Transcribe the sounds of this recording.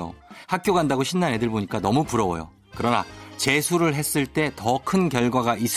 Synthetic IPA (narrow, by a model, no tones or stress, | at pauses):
o̰hak̚k͈joɡandaɡoɕʰinːanɦe̞dɯɭboɲik͈anʌmupuɾʌwʌ̰jo̰ | kɯɾʌna̰t͡ɕe̞sʰuɾɯɭɦes͈ɯɭt͈e̞tʌkʰɯnkjʌɭɡwaɡaʔis